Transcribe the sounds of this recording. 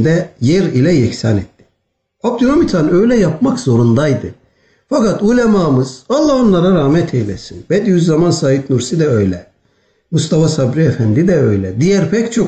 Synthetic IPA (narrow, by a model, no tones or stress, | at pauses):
d̪ɛjɛɾilʲɛjɛcsanɛt̪ːi̥ | op̚t̪ʰynomit̪ʰanø̞jlʲɛjapmakz̥o̞ɾund̪ajd̪ɯ | fakat̪ulʲemamɯz̥valˠːaonlˠaɾaɾaːmɛt̪ʰɛjlʲɛsinbɛd̪ijyzːamansaːɦit̪nuɾsid̪ɛø̞jlʲɛ | must̪ʰafasabɾiɛfænd̪id̪ɛø̞jlʲɛd̪ijæɾpʰɛct͡ʃʰo